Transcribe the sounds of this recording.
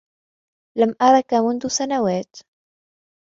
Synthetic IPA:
lamʔɑɾˤɑkamʊnðʊsanawaːt̪

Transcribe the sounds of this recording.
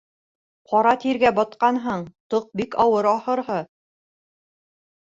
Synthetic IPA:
qʰɒɾɑt̪iɾɡæbɑt̪̚qɑnɦɤɴt̪oq̚bikɑwɤɾɑhɤ̆ɾɦɤ

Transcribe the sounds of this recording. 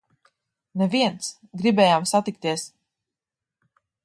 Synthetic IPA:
nɛviɛnt̪s | ɡɾibɛːjaːmsat̪ik̚t̪iɛs

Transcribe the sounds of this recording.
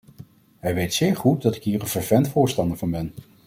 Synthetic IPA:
ɦɛjʋejtsɪːɹχut̚dɑtɪkɦiːɹənvəɹvɛntfʊːɹstɑndəɹvɑnbɛn

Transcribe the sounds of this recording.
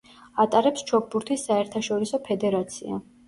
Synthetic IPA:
at̪ʼaɾɛpst͡ʃʰɔk̚ʰbuɾt̪ʰisːaɛɾt̪ʰaʃɔɾisɔpʰɛd̪ɛɾat̪sʰia̰

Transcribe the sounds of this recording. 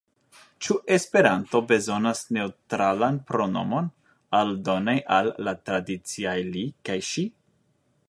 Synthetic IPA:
t͡ʃuʔe̞spe̞ɾanto̞be̞zo̞nasne̞utɾalanpɾo̞no̞̰mo̞n | aldo̞najʔalːat̪ɾadit͡siajlikajʃi

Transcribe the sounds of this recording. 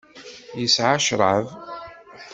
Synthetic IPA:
jəsʕaʃɾˤəv

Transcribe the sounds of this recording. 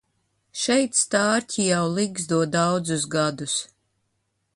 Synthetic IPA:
ʃɛjt̪st̪aːɾcʲʰijawliɡzd̪uɔd̪awd̪zusɡad̪us

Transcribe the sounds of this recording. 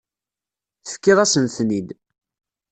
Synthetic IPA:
θə̥fkːɪðˤæsənθnid̪

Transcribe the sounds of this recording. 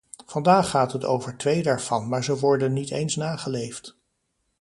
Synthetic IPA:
vɑndaːχːaːtɦəto̰wvəɹtʋejdaːɹv̥ɑnmaːɹzəʋɔɹdənːitejnsnaːχəlejft

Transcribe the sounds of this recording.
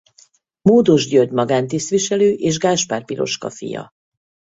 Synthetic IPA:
moːd̪oʒɟøɟmɒɡaːnt̪ist̪ʋiʃɛløːʔeːʒɡaːʃpaːrpiɾo̞̰ʃkɒfḭjɒ̰

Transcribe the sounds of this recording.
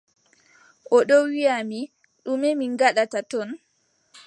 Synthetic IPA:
ʔɔɗɔwijami | ɗumemiŋɡaɗatatɔn

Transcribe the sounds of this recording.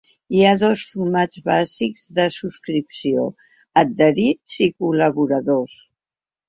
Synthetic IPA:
iaðɔsfumad͡ʒβazikzðəsuskɾipsio̰ | əd̪̚d̪əɾizikuləβuɾəðos

